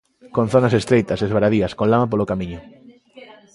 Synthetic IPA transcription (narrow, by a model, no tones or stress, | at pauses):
kon̟θonasest̪ɾejt̪ɐsezβaɾaðiɐskonlamap̬olokamĩɲʊ